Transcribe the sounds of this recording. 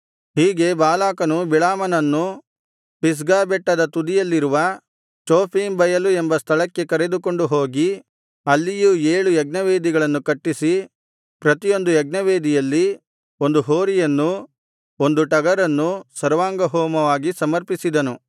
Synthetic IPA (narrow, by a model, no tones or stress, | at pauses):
hiːɡe̞baːlaːkɐnubiɭaːmɐnɐnːu | pis̬ɡaːbɛʈːɐd̪ɐt̪ud̪ijɐlːiɾuʋɐ | t͡ʃoːpʰiːmbɐjɐluembɐst̪ʰɐɭɐkːe̞kɐɾe̞d̪uko̞ɳɖuɦo̞ːɡi | ɐlːijueːɭujɛɡnɐʋeːd̪iɡɐɭɐnːukɐʈːisi | pɾɐt̪ijo̞nd̪ujɐɡ̚nɐʋeːd̪ijɐlːi | o̞nd̪uɦoːɾijɐnːu | o̞nd̪uʈɐɡɐɾɐnːusɐɾʋaːŋɡɐɦɔːmɐʋaːɡisɐmɐɾpisid̪ɐnu